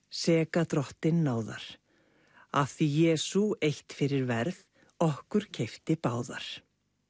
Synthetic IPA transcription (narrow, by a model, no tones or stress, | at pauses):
sɛːkat̪ɾɔht̪ɪnːaːwða̰ɾ̥ | aθijɛːsuejht̪fɪɾɪɾvɛɾð | ɔhkʏɾ̥cʰejft̪ɪpaːwða̰ɾ̥